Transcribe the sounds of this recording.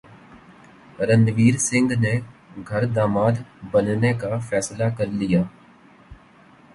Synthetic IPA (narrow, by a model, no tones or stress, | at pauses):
ɾə̃nd̪ʋiːɾsɪ̃ŋɡneɡʱɐɾd̪aːmaːd̪bənnekafʰɛːslakɐɾlɪjaː